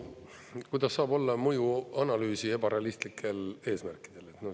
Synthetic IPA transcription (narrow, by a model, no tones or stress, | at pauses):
kujd̪ɑsːɑːbo̞lːɑmɤjuɑnɑlyːsie̞b̥ɑɾe̞ɑlist̪likʰːˑe̞le̞ːsmærkːˑi̥d̪̥e̞le̞t̪no